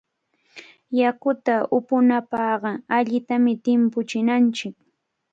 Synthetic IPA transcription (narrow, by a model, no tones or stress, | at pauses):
jakʊt̪aʔʊpʊnapɑhɢɑaʎɪt̪amɪt̪ɪmpʊt͡ʃɪnant͡ʃɪk